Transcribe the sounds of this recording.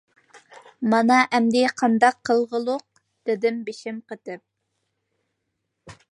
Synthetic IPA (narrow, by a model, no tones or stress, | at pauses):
mɑnɑʔɛmd̪ɪqʰɑnd̪ɑqʰːəlˠʁəlˠʊq̚ | d̪̥ɪd̪ɪmbeʃɪmqət̪ɪp̚